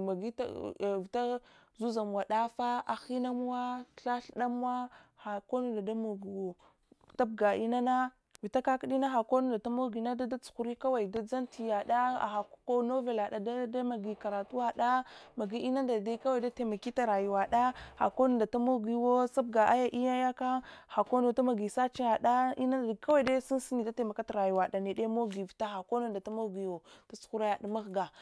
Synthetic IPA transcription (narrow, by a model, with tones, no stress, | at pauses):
ma˨ɡi˦ta̰˦˨vi˨ta˦ | zu˦za˨m˨a˨ɗa˦fa˦a˨xi˦na˦m˦wa˦˨ɬa˦ɬɗa˦m˦a˦ha˨ko˦nu˨da˨da˦mo˨ɡi˨wo˨ | ta˦b̚ɡa˨i˦na˦na˦ | vi˨ta˦ka˦kɗi˦na˦xa˨ko˦nu˨nda˨ta˦mo˦ɡi˨na˦da˦da˦t͡su̥˨xu˨ɾi˦ka˦wa˨i˨da˦d͡za˦nti˨ja˨da˦a̰˨xa˨kko˦no˦ve˨la˨ɗa˨da˦da˦ma˨ɡi˨ka˨ɾa˨tu˦wa˦ɗa˦ma˨ɡi˦i˦na˦nda˨da˦ka˦wa˦i˨da˦te˨ma˨ki˦ta˨ɾa˨ju˨wa˨ɗa˦ha̰˨ko˦no˦nda˨ta˦mo˦ɡi˨˦wo˦sa˦b̚ɡa˨ʔa˦ja˦ʔi˦ja˦ja˦ka˦ha˨ko˦no˨ta˦ma˨ɡi˨sa˦t͡ʃi˦a˨ɗa˦ḭ˦na˦˨ka˦wa˦de˦si˦n˦si˦ni˨da˦te˨ma˨ka˦ta˨ɾa˨ju˨wa˨ɗa˨ne˨de˦mo˦ɡi˨vi˨ta˦xa˨ko˦no˦nda˨ta˦mo˦ɡi˨jo˨ta˦t͡su̥˨xu˦ɾa˦ja˨da˨ma˦ɣɡa˨